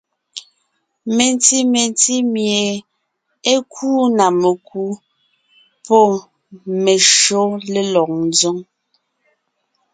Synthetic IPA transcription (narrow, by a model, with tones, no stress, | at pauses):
me˨nti˦me˨nti˦mje˨ | e˦kʰuː˦na˨me˨kʰu˦ | pɔ˦ | me˨ʃo˦le˦lɔ˨k̚n˦zo˦ŋ